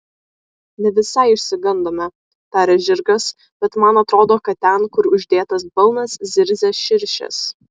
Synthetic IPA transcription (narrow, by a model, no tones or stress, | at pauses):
nʲɛʋʲɪsɐɪɪʃʲsʲɪɡɐnd̪oːmʲɛ | t̪æːɾʲɛʒʲɪɾɡɐs | b̥ʲɛt̪mɐnɐt̪ɾoːd̪oːkɐt̪̚t̪ʲɛnkʊɾʊʒʲd̪ʲeːt̪ɐsbɐlˠnɐszʲɪɾʲzʲɛːʃʲɪɾʲʃʲɛ̰s